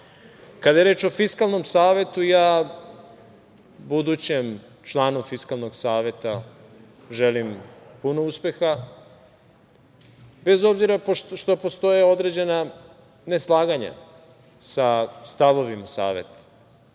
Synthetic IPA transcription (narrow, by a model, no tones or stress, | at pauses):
kad̪ajeɾeːt͡ʃo̞fiskalˠno̞msaːʋe̞t̪ujaː | bud̪uːt͡ɕem | t͡ʃlˠaːnufiskalˠno̞ɡsaːʋe̞t̪a | ʒelimpuno̞uspe̞xa | be̞zo̞bziɾaʃt̪o̞post̪o̞jeo̞d̪ɾe̞d͡ʑe̞na | ne̞slˠaːɡaɲa̰ | sast̪aʋo̞ʋimasa̰ːʋe̞̰t̪ḁ